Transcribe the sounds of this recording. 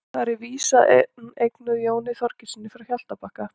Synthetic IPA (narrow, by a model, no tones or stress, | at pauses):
θaɾɪviːsanejknʏðjoːwnɪθɔɾ̥cɪsɪnːɪfɪɾawçjal̥t̪apahka